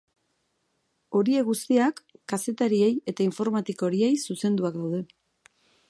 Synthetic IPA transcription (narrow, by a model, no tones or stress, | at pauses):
o̞ɾie̞ɣust̪iakːase̞t̪aɾie̞je̞t̪aiɱfo̞ɾmat̪iko̞ɾie̞jsuse̞nd̪uaɡawð̞e̞